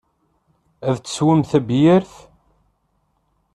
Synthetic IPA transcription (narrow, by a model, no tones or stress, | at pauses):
æðt͡sːə̥swəmθæbjɪɾθ